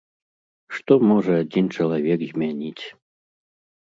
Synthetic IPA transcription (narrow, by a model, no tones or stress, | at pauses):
ʂt̪ɔmɔʐɐad͡zʲint͡ʂɐlˠavʲɛkzʲmʲanʲit͡sʲ